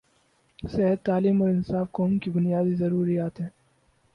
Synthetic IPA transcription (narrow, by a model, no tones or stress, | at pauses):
sɛɦəd̪̚t̪aːliːmɔːɾɪnsaːfkɔːmkibʊnijaːd̪izɐɾuːɾijaːt̪ɦɛ̃ː